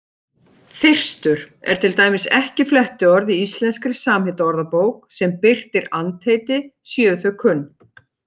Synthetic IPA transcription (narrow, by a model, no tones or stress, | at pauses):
θɪr̥st̪ʏɾ̥ɛ̰ɾ̥t̪ʰɪlt̪aːjmɪsɛhcɪflɛht̪ʏɔɾðiist̪lɛnskɾɪ̥saːmhɪt̪aɔɾðapoːwksɛmpɪr̥t̪ɪɾant̪ʰeːjt̪ɪsjœːθœkʰʏnː